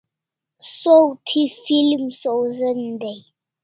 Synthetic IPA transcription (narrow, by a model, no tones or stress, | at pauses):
sowtʰifilmsowzənd̪e